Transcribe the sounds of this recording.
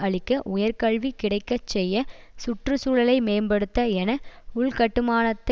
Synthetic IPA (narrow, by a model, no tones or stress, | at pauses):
ɐɭɪkːɐʔʊjɐɾkɐɭʋikɪɽɐɪkːɐt͡ʃːɛjːɐ | sʊʈrɯsuːɻɐlɐɪmeːmbɐɽɯt̪ːɐɛnɐʊɭkɐʈːɯmaːnɐt̪ːɐ